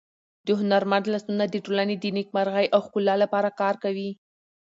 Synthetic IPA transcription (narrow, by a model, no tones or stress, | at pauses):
d̪̥əɦʊnaɾmand̪last̪unad̪əʈolaned̪ənek̚maɾɣajʔawxkulːɑlapɑɾakɑɾkawi